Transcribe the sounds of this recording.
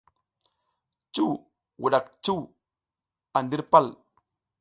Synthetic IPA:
t͡ʃu˦w | wu˨ɗa˨kt͡ʃu˦w | a˨ndi˦ɾpa˦˨l

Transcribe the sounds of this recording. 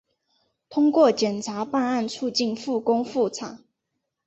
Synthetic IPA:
t̪ʰʊ˥ŋkwɔ˥˩t͡ɕjɛ˨˩nt͡sʰa˧˥pa˥˧na˥˧nt͡sʰu˥˧t͡ɕi˥˨nfu˥˩kʊ˥ŋfu˥˩t͡sʰa˨˩˦

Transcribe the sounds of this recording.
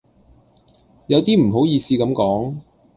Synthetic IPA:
jɐ˨˧wt̪iː˥m̩˨˩ɦo˨˥wjiː˧siː˧kɐ˨˧˥mkɔː˨˥ŋ

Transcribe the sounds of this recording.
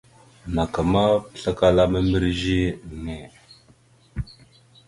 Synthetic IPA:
na˨ka˨ma˦pɬa˦ka˦la˦mə˦mi˦ɾʒi˦ne˨

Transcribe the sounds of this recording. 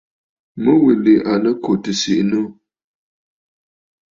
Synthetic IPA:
mə˦wi˨li˨ʔa˨lə˦ko˨tɨ˨si˦˨ʔnə˦˨

